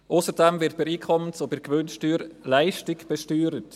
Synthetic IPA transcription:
ʔʊsəɾdɛmvɪɾt̚pɛɾiːkʰɔmənt͡sobɪɾɡʋønʃtyːɾlæɪʃtɪɡb̥ɛʃtyːɾət

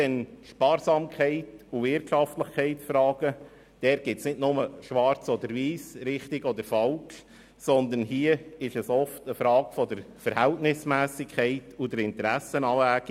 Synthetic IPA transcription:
dɛnʃpɑːɾsɑːmkχɛɪtuvɪɾtʃɑftləχkʰɛɪtsfɾɑːɡ̥ə | d̥ɛːɾɡ̥ɪtsnɪdnʊməʃʋɑɾt͡sɔd̪əɾʋiːsɾɪχtɪɡɔd̪əɾfɑlk | sɔnd̪ənɦiːəɪʃəsɔftəfɾɑːɡfɔdəɾfəɾhɛltnɪsmæːsɪkʰːɛɪtʊd̪əɾɪntəɾæsənɑːæːɡ̥

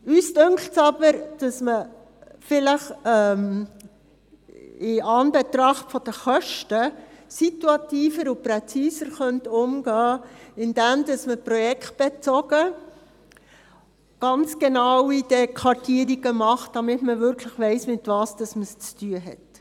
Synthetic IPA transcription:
yːsdʏŋkʰltsɑbəɾd̥ɑsmə | fɪləχɛm | ɪɑnbɛtɾɑχtfɔd̥əχœʃtəsituɑtiːfəɾuprɛt͡siːzəɾχœntʊmɡ̥ɑːɪnd̥ɛmdɑsməprɔjɛkʰt̚b̥ɛt͡sɔɡ̥ə | ɡ̥ɑnt͡sɡ̥enɑwid̥ɛkʰʋɑɾtiəɾiɡ̥əmɑχt̚d̥ɑmɪtməvʏɾkʰləχʋɛɪsmɪtvɑːsd̥ɑsməst͡styəɦɛ̰t

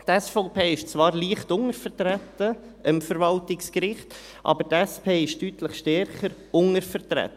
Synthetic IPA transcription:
t̪ɛsfɔʊpʰeːɪʃt͡svɑːɾliəχtʊŋəɾfəɾtɾætə | ɪmfəɾʋɑltɪkskɾɪχt | ʔɑ̰bəɾtɛspʰeːɪʃtytləχʃtɛɾχəɾ | ʊŋəɾfəɾtɾɛ̰t̪ːə

